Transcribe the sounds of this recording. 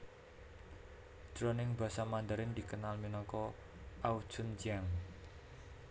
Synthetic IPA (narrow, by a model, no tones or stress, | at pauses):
d̥ɾɔnɪŋba̤samand̪əɾɪnd̪ikənalminɔkɔ | ʔau̥ʒ̥ʊnd͡ʒiaŋ